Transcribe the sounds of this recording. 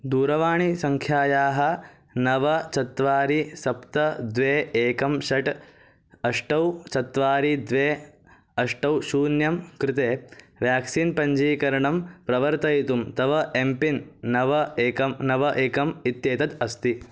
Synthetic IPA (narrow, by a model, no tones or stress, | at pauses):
d̪uːɾɐʋaːɳisɐŋkʰjaːjaːɦɐ̆ | nɐʋɐt͡ʃɐt̪ʋaːɾisɐpt̪ɐd̪ʋeːeːkɐmʃɐʈ | ɐʂʈɐwt͡ʃɐt̪ʋaːɾid̪ʋeː | ɐʂʈɐwʃuːnjɐmkɾɪt̪eː | ʋjaːksiːnpɐɲd͡ʒiːkɐɾɐɳɐmpɾɐʋɐɾt̪ɐjt̪umt̪ɐʋɐʔempinːɐʋɐeːkɐmnɐʋɐʔeːkɐmit̪jeːt̪ɐt̪ɐst̪i